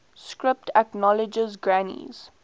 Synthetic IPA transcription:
skɹɪp̚tʰɛknɔləd͡ʒəzɡɹanḭz̥

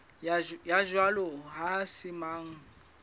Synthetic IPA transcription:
jaʒwalɔɦasɪmaːŋ̩

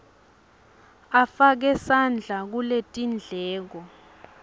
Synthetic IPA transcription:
afak̬ɛsand͡ɮʱak̬uletʼind͡ɮʱɛːk̬ɔ

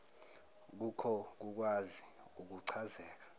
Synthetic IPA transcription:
k̬ukʰɔk̬uk̬wazi | uk̬uǀʰazɛːk̬ḁ

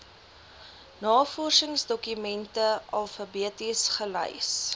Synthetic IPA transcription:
nɑːfɔrsəŋsdɔkymɛntəɐlˠfɐbiətisχələ̰js

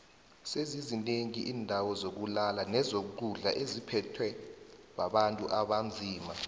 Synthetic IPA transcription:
sezizineŋiʔiːndʱawɔzok̬ulalanɛzoǃuɮa̰ʔezipʰɛtʰwɛɓaɓantʼuʔaɓand͡zʱiːma

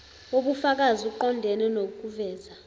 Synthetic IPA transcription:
oɓufak̬aziuǃɔndʱɛnɛnokʼuvɛːza

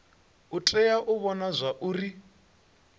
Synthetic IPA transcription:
ut͡ɬʼɛjaʔuβɔnazʷaʔuːri

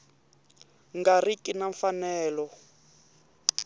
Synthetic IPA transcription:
ŋɡarikʼinaɱfanɛːlɔ

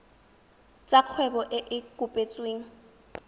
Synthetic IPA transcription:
t͡sʼaq͡χʰwɛbɔʔɪʔɪkʼʊpʼet͡sʼweːŋ̩

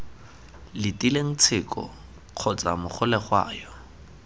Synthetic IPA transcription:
lɪtʼileŋ̩t͡sʰɪkɔ̰ | q͡χʰɔt͡sʼamʊχʰʊlɛχwa̰ːjɔ

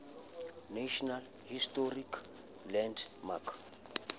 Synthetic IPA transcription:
naʃɔnal | histʼɔrik | lɛndmakʰ

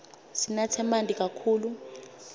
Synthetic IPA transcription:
sinatʰɛmantʼik̬ʼakʰuːlu

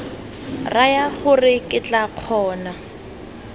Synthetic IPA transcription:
rajaχʊrɪkʼɪt͡ɬʼaq͡χʰɔːna

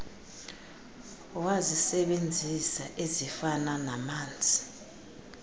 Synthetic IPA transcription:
wazisɛɓend͡zʱisaʔezifananamaːnd͡zʱi

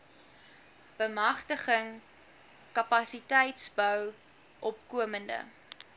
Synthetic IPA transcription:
b̥əmɐχtəχəŋ | kɐpɐsitɛjtsbœw | ʔɔpkuəməndə̰

